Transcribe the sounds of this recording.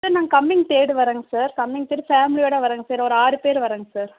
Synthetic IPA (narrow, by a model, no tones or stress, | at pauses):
ɯnãːŋɡɐkɐmːɪŋɡʈ̪eːɽɯʋɐɾẽːŋɡɐsaːɾkɐmːɪŋɡ̚t̪eːɾfaːmɪlijoːɽɐʋɐɾeːŋɡɐsaːɾɔɾɯaːɾɯpeːɾʋɐɾeːŋɡɐsaːɾ